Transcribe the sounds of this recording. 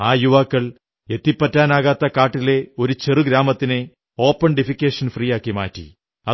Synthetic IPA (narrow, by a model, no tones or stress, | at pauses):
aːjuʋaːkːɐɭ | e̞t̪ːipːɐtːaːnaːɣaːt̪ːɐkaːʈːile̞o̞ɾut͡ɕerɨɡɾaːmɐt̪ːine | o̞ːpːɐɳɖifikʲːeːʂɐnfriːjaːkːimaːtːḭ | ɐ